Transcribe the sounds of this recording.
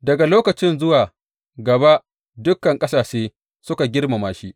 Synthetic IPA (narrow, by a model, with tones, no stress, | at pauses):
dɐ˨ɡa˨loː˦kɐ˨t͡ʃɪ˦nzʊ˦waː˨ | ɡɐ˨ba˦ | dʊ˦kːɐ˨ŋkʼɐ˦saː˨ʃeː˦ | sʊ˦ka˨ɡʲɪ˦rma˨maː˦ʃi˦ʔ